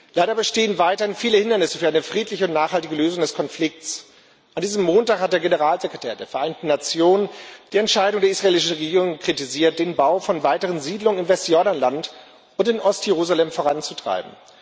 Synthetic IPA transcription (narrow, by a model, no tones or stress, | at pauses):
laɪɾɐbəʃteːənvaɪtɐhɪnfiːləhɪndɐnɪsə̥fyːɐaɪnəfʁ̥iːtlɪçəʊntnaːχhaltɪɡəløːzʊŋdɛskʰɔnflɪk̚t͡s | ʔandiːzəmːoːntaːkhat̚d̥eːɐɡenəʁaːlzekʁ̥etʰɛːɐdeːɐfɛɐʔaɪntn̩ːat͡sjoːnənd̥iːɛntʃaɪdʊŋdeɐisʁ̥aeːlɪʃn̩ʁeɡiːʁ̞ʊŋkʁ̥itiziːɐt̚d̥eːnbaʊfɔnvaɪtəʁənziːdlʊŋənɪmvɛstjɔɐɾanlant | ʔʊntɪnʔɔstjeʁ̞uːzalɛmfoʁant͡sutʁ̥a̰ɪbm̩